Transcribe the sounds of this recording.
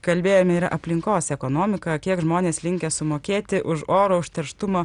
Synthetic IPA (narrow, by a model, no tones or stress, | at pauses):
kɐlʲbʲeːjoːmʲɛiːɾɐ̰ʔɐpʲlʲɪŋkoːsɛkoːnoːmʲɪkɐkʲiɛkʒmoːnʲeːslʲɪŋʲkʲɛsʊmoːkʲeːt̪ʲɪʔʊʃoːɾoːʊʃʲt̪ʲɛɾʃt̪ʊmoː